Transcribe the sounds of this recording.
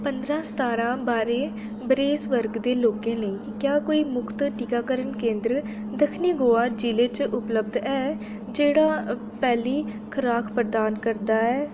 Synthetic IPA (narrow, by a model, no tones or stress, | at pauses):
pənd̪ɾãːsə̥t̪aːɾãːbaːɾeː | bəɾeːsʋəɾɡd̪eːloːkẽːnəĩːkjaːkoːiːmʊkʰt̪ʈikaːkəɾənkẽːnd̪ɾ | d̪əkʰniːɡoːaːd͡ʒiːleːt͡ʃʔʊpləb̚d̪ɛː | d͡ʒeːɽaː | pɛːliː | kʰəɾaːkʰpɾəd̪aːnkəɾd̪aːɛː